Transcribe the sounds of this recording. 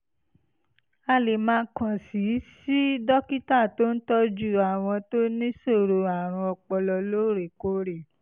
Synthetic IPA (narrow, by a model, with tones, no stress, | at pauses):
a˧le˨mãː˦˧˦kã˨si˨˦si˦dɔ˦ki˦ta˦˨to˦n̩˦tɔ˦d͡ʒu˦˨a˨w̃ɔ̃˧to˦nĩ˦so˦˨ɾo˧a˨ɾ̃ũ˧ɔ˧k͡pɔ˧lɔ˧lo˦ɾe˨ko˧˦ɾe˨